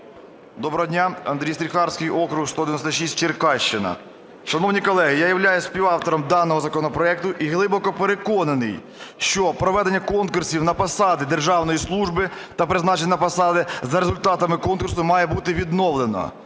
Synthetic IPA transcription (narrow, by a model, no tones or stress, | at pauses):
d̪ɔbɾɔɦɔd̪ʲnʲaɐnd̪ɾʲijsɾʲixɑrsʲkɪjʔɔkɾʊhst̪ɔd̪eʋʲnɔst̪ɐʃisʲt̚ʲt͡ʃɪrkɑʃt͡ʃɪnɐ̰ | ʃɐnɔwnʲikɔlˠɛɦɪjajɐwlʲajʊsʲsʲpʲiwɑwt̪ɔɾɔmd̪ɑnːɔɦɔzɐkɔnɔpɾɔɛk̚t̪ʊʔiɦlˠɪbɔkɔpeɾekɔnɐnɪj | ʃt͡ʃɔpɾɔʋɛd̪enʲːɐkɔnkʊrsʲiwnɐpɐsɑd̪ɪd̪erʒɑwnɔjislˠuʒbɪt̪ɐpɾɪznɑt͡ʃenʲɐnɐpɐsɑd̪ɪzɐɾezʊlʲt̪ɑt̪ɐmɪkɔnkʊrsʊmɑjɛbut̪ɪʋʲid̪nɔʋlˠenɔ̰